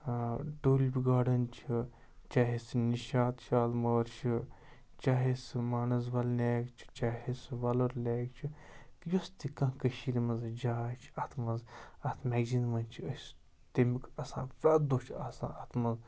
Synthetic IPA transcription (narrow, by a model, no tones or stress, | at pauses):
ɖoːlʲbʲiɡaːɖɐnt͡ʃʰi | t͡ʃaːɦesniʃaːt̪ʃaːlmɐɾt͡ʃʰɨ | t͡ʃaːɦesmaːnɐs̬ʋɐlnʲeːkt͡ʃʰi̥t͡ʃaːɦesʋɐlɐɾlʲeːk̚t͡ʃʰikjost̪ikɐ̃kəʃiɾimɐzd͡ʒaːt͡ʃʰɐt̪ʰmɐnzɐt̪ʰmɛːɡd͡ʒinmɐnt͡ʃʰiəs | t̪emikasã̰ːfɾaːt̪d̪oːt͡ʃʰaːsã̰ːɐt̪ʰmɐz